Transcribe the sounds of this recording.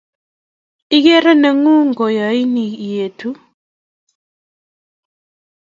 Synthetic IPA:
i˦ɣɛ˦ɾɛ˦nə˨ŋu˦ŋɡɔ˨ja˨i˦ni˨je˨tʰu˦

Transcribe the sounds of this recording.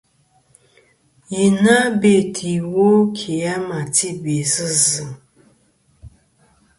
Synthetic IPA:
ji˨na˦be˨tʰi˨wo˦kʰi˨ja˦ma˨ti˦be˨sɨ˦zɨ˨m

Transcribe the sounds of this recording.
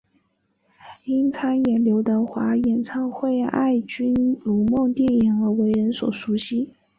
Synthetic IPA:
i˥nt͡sʰa˥njɛ˧˥nljo˧˥ʊt̪ə˧xwa˧˥jɛ˧˥nt͡sʰɑ˥ŋxwe˥˧ɪa̰˥˩ɪt͡ɕy˥nlu˨˥mo˥˧ŋt̪jɛ˥˩ni˨˩nɤ˧˥we˧˥ɪɻə˧˥nswɔ̰˨˩ʂu˧˥ɕi˥

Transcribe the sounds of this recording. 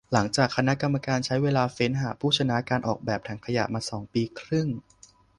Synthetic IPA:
la˩˦ŋt͡ɕaː˨˩kʰːa˧na˦˥ʔka˧mːa˧kaː˧nt͡ɕʰa˦˥jweː˧laː˧fe˦˥nɦaː˨˩pʰuː˥˩t͡ɕʰa˧na˦˥kaː˧nʔɔ̰ː˨˩k̚bɛː˨˩p̚t̪ʰa˩˥ŋkʰa˧ja̰˨˩ʔmaː˧sɔː˩˦ŋpiː˧kʰɾɯ˥˩ŋ

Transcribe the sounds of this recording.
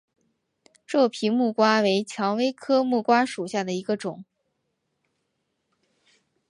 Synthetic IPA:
ʈ͡ʂɤ˥˩pʰi˧˥mu˥˩kwa˥we˧˥ɪt͡ɕʰjɑ˧˥ŋwe˥ɪkʰɤ˥mu˥˩kwa˥ʂu˨˩ɕja˥˩d̪ə˩i˧˥ɡə˧ʈ͡ʂʊ˨˩˦ŋ

